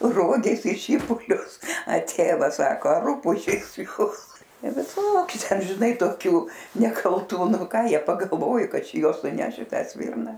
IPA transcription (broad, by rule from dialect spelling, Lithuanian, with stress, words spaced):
ˈroːɡʲeːs ɪ ˈʃʲiːpʊlʲʊs ɐ ˈtʲeːʋɐs ˈsɑːkoː ɐ ˈruːpʊʒʲeːs ˈjuːs ʋʲɪˈsoːkʲʊ ˈtʲɛn ˈʒʲɪnɐɪ toːˈkʲuː nʲɛkɐlˠˈtuː ˈnʊ ˈkɑː ˈjiɛ pɐɡɐlˠˈʋoːjʊ ˈkɐt ˈt͡ʃʲɛ ˈjuɔs nʊˈnʲɛʃ ɪ ˈtɑː ˈsʲʋʲɪrnɐ